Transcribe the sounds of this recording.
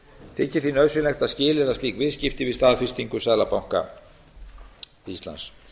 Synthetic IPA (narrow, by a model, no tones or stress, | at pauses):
θɪcɪɾ̥θinœðsʏlɛxt̪aðscɪːlɪðasiːkvɪðscɪft̪ɪvɪðst̪aːðfɪst̪iŋkʏsaðlapawŋ̥ka̰ | ist̪la̰ns